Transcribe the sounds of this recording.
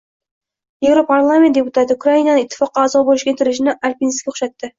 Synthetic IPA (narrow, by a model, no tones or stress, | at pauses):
je̞vɾopʰaɾlˠame̞nt̪d̪epʊt̪ʰat̪ʰɪukʰɾainanɪɪt̪ʰːɪ̥fɒqːɑːzɒbolˠɪʃɡʲant̪ʰɪɾɪʃ̬ɪnɪʔaɾpinskʲaʊ̥χʃat̪ːɪ